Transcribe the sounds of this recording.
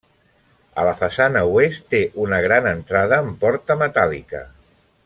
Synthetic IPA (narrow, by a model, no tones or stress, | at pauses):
ə̰ləfəsanəwest̪ːeʔunəɣ̞ɾanənt̪ɾað̞əːmpɔɾt̪əmət̪alikə̰